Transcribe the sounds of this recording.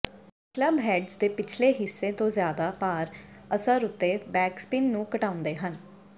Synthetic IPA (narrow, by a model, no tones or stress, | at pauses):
kləbɦɛːɖzd̪eːpɪt͡ʃʰleːɦɪsːeːt̪õːzjaːd̪aːpaːɾ | əsəɾʊt̪ːeːbɛːkspɪnnũːkəʈãːʊ̃nd̪eːɦən